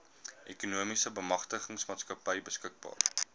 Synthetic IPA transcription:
ʔɛkunuəmisəbəmɐχtəχəŋsmɑːtskɐpəjbəskək̚bɑ̰ːr

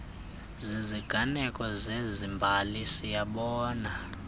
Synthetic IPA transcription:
ziziɡ̥ʱanɛkʼɔzezimbʱalisijaɓɔːna

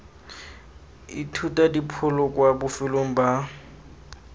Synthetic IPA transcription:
itʰutʼadipʰʊlɔkʼwabʊfɪloŋ̩ba

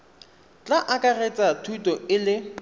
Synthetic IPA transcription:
t͡ɬʼaʔakʼaret͡sʼatʰutʼɔɪlɪ

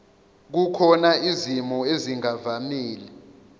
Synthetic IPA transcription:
k̬ukʰɔnaizimɔeziŋavamiːlɛ

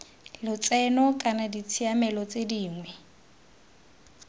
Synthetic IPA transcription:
lʊt͡sʼɛnɔkʼanadit͡sʰiamɛlɔt͡sʼediːŋwɛ

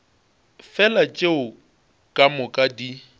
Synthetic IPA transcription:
fɛlat͡ʃʼeʊ | kʼamʊkʼadi

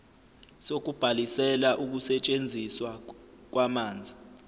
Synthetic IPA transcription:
sok̬ub̥ʱalisɛlaʔuk̬usɛt͡ʃʼend͡zʱiswak̬wamaːnd͡zʱi

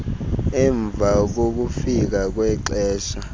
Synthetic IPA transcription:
ɛɱb̪vʱak̬ok̬ufik̬ak̬wɛǃɛːʃa

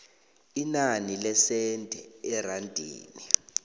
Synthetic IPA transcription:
inanilɛsɛndʱʼɛɛrandʱḭːni

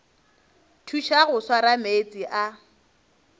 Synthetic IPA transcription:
tʰuʃaɣʊswaɾamet͡sʼiʔa

